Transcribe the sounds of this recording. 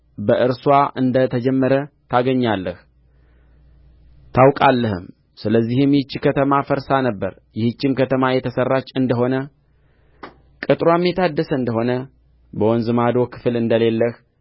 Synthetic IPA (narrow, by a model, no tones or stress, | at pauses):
bəʔɨɾswaʔɨnd̪ət̪ʰəd͡ʒɛmːəɾət̪ʰaɡəɲːalːəh | t̪ʰawkʼalːəhɨm | sɨləzːihɨmjɪt͡ʃːikʰət̪ʰəmafəɾsanəbːə̰ɾ | jɪhɨt͡ʃːɪmkət̪ʰəmajɛt̪ʰəsərːat͡ʃʼːɨnd̪əɦo̞nə | kʼɨt̪ʼɾwamːet̪ʰad̪ːəsəɨnd̪əɦo̞nə | bəwɔnzɨmad̪o̞kʰɨ̥flɨnd̪əle̞lːəh